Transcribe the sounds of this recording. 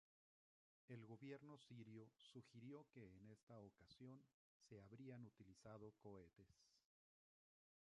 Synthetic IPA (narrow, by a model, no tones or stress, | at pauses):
e̞lɣo̞βje̞ɾno̞siɾjosuxiɾjo̞ke̞ːne̞st̪aokasjo̞n | se̞aβɾianut̪ilisað̞o̞ko̞e̞t̪e̞s